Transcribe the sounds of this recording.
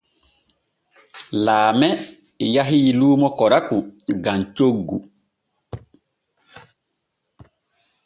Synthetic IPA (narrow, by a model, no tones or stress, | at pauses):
laːmɛ | jaɦiluːmɔkɔɾakuɡamt͡ʃoɡːu